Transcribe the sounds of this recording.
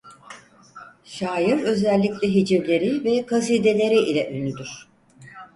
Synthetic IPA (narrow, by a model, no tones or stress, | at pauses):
ʃaːjiɾø̞zɛlʲːiclʲɛɦid͡ʒivlʲe̞ɾivɛkʰazeːd̪e̞lʲe̞ɾiʔilʲɛʔønyd̪yɾ̥